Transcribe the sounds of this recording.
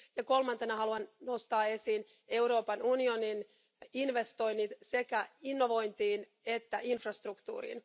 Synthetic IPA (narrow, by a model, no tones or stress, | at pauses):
jɑko̞lmɑnt̪enɑhɑluɑnnost̪ɑːe̞siːn | e̞uɾo̞ːpɑnunionin | inʋe̞st̪o̞jnːit̪se̞kæinːoʋo̞jnt̪iːn | et̪ːæʔinfrɑst̪rukt̪ṵːɾḭn